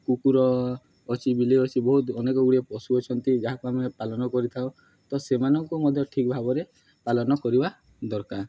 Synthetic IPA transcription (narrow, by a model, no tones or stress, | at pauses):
kukuɾɔː | t͡ʃʰibileɔt͡ʃʰibɔɦut̪ɔnekɔɡuɽiepɔsuɔt͡ʃʰɔnt̪id͡ʒaɦakuamepalɔnɔkɔɾit̪ʰao | t̪ɔsemanɔŋkumɔd̪ʱjɔʈʰik̚bʱabɔɾe | palɔnɔkɔɾiba | d̪ɔɾkaɾ